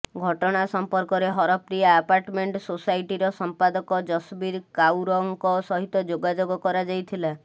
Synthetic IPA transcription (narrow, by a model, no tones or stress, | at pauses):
ɡʱɔʈɔɽ̃asɔmpɔɾkɔɾeɦɔɾɔpɾijaːpaɾʈmeɳʈsosajʈiɾɔsɔmpad̪ɔkɔd͡ʒɔsbiɾkawɾɔŋkɔsɔɦit̪ɔd͡ʒoɡad͡ʒoɡɔkɔɾad͡ʒajt̪ʰila